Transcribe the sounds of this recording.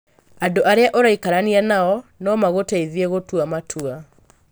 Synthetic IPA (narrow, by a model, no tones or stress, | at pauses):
andoʔaɾeaʔoɾaikaɾanianaɔnɔmaɣotaiðieɣotuamatʰua